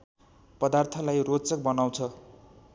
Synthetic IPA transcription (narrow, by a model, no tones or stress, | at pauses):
pʌd̪art̪ʰʌlajrot͡sʌk̚bʌnaw̃t͡sʰʌ